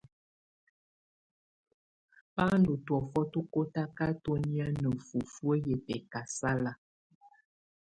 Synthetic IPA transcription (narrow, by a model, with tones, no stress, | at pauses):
pa˦ndu˨twɔ˨fɔ˦tu˦ko˦ta˦ka˦to˦ni˦a˦nə˨fu˨fwə˦jɛ˨pɛ˨ka˨sa˦la˦